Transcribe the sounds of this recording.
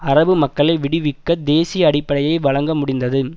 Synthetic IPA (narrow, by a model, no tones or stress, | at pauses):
ɐɾɐbɯmɐkːɐɭɐɪʋɪɽɪʋɪkːɐd̪eːsɪjɐːɽɪpːɐɽɐjɐɪʋɐɭɐŋɡɐmʊɽɪnd̪ɐðɯ